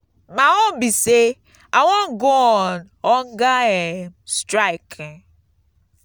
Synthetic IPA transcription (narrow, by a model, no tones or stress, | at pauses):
maɔmbise | awɔnɡoɔn | ɔŋ̩ɡaemstɾaɪk